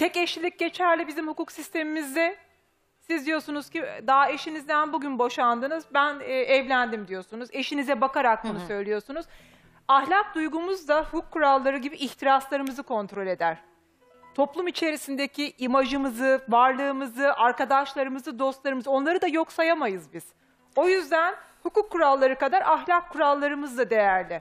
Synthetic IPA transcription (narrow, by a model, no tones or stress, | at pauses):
t̪ʰɛceʃlʲilʲic̚ɟe̞t͡ʃʰæɾlʲɛbizimhukuksist̪ʰe̞mimizd̪ɛ | sizd̪ijo̞sunuz̥cid̪ae̞ʃinizd̪ænbuɟynbo̞ʃand̪ɯnɯzbænɛɛvlʲænd̪imd̪ijo̞sunuze̞ʃinizɛbakaɾak̚bunusø̞jlʲijo̞sunuz̥ | ahlʲak̚d̪ujɡumuzd̪ahukʰːuɾalˠːaɾɯɟibiʔːçt̪ʰiɾaslˠaɾɯmɯzɯkʰo̞nt̪ɾo̞lʲe̞d̪æɾ̥ | t̪ʰo̞plˠumit͡ʃʰe̞ɾisind̪ecʰiʔimaʒɯmɯzɯvaɾlˠɯːmɯzɯʔaɾkad̪aʃlˠaɾɯmɯzɯd̪o̞st̪lˠaɾɯmɯzɯo̞nlˠaɾɯd̪ajo̞ksajamajɯzbiz̥ | o̞jyzd̪ænhukukʰːuɾalˠːaɾɯkad̪aɾʔaɦlʲakʰːuɾalˠːaɾɯmɯzd̪ad̪e̞jæɾlʲɪ